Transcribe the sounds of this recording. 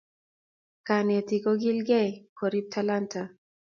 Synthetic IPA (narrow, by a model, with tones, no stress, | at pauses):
ka˨ne˨ti˨ko˦ɡi˦lɡɛ˦kʰo˨ɾi˦p̚tʰalanta